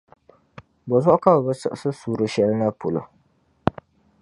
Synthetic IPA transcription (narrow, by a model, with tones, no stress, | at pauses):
bɔ˨zɔ˦ʔʊ˦ka˦ba˨bɨ˦sɨ̰˦ʔsɨ˦suː˨ɾɨ˦ʃɛ˦lɨ˦na˦po˨lo̰˨